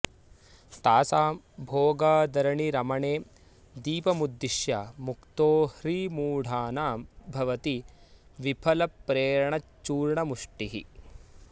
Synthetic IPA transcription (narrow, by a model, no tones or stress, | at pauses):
t̪aːsaː | bʱoːɡaːd̪ɐɾɐɳiɾɐmɐɳeː | d̪iːpɐmud̪ːiʃjaːmukt̪oːhɾiːmuːɽ̤ʱaːnaːmbʱɐʋɐt̪iʋipʰɐlɐpɾeːɾɐɳɐt͡ʃːuːɾɳɐmuʂʈiɦḭ